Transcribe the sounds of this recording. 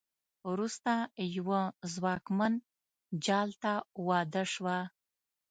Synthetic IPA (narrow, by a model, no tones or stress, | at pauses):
wɾust̪ajwəzwɑkman | d͡ʒɑlt̪awɑd̪əʂwa